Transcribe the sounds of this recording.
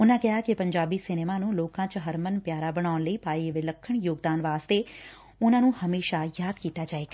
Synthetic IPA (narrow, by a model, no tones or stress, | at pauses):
ʊnãːkɪɦaːkɪpəɲd͡ʒaːbiːsɪneːmãːnũːloːkãːt͡ʃɦəɾmənpjaːɾaːbəɽ̃aːʊnləiːpaːiʋɪləkʰːəɳjoːɡd̪aːnʋaːst̪eː | ʊnãːnũːhəmeːʃaːjaːd̪kiːt̪aːd͡ʒaːeːɡa